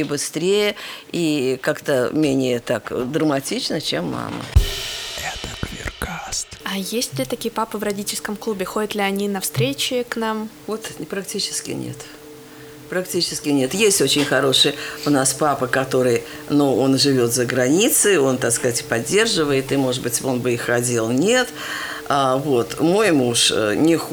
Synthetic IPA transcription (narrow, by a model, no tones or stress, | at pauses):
ɪbɨst̪ɾʲejəikakt̪əmʲenʲɪjət̪akd̪ɾəmɐtʲit͡ɕnət͡ɕemːa̰mə̰ | ɛt̪əkvʲɪ̰rkast̪ɐjesʲtʲlʲɪt̪ɐkʲijəpapəvrɐdʲitʲɪlʲskəmklˠubʲɪxodʲət̪lʲɪɐnʲinɐfst̪ɾʲet͡ɕɪknamvo̞t̪pɾɐktʲit͡ɕɪ̥skʲɪ̰nʲḛt̪ | pɾɐktʲit͡ɕɪskʲɪnʲe̞t̪jesʲtʲo̞t͡ɕɪnʲxɐɾo̞ʂɨjʊnaspapəkɐt̪o̞ɾɨjnuo̞nʐɨvʲo̞t̪zəɡɾɐnʲit̪sɨo̞nt̪akskɐzatʲpɐdʲːe̞rʐɨvəɪt̪ɨmo̞ʐɨd̪bɨtʲo̞nbɨixːɐdʲilˠnʲe̞t̪ | avo̞t̪mo̞jmuʂə̰nʲɪx